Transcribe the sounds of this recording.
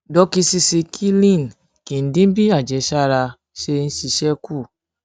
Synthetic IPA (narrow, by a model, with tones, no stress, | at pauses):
dɔ˧˦ki˧si˧si˧kʰi˦lĩ˦˨n˨ | kĩ˨n̩˦dĩ˦bi˦a˦˨d͡ʒɛ˨˦ʃa˦˨ɾa˧ | ʃe˧n̩˦ʃi˧ʃɛ˦ku˦˨